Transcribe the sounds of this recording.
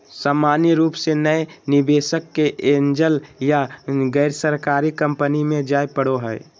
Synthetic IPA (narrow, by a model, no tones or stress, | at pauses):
saːmaːniɾuːpsenəenɪbeːʃəkːeʔeːnd͡ʒəljaɡəɪɾsəɾkaːɾikə̃mpənimẽd͡ʒaːepəɽoɦɛɪ